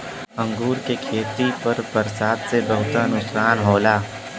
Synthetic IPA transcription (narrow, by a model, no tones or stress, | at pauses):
ə̃ŋɡuːɾkekʰeːt̪ipɐɾbɐɾsaːd̪sebɐɦʊt̪anʊsaːnɦoːlaː